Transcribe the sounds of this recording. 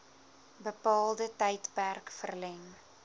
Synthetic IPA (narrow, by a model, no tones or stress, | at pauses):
bəpɑːlˠdətəjtpærkfərlɛŋ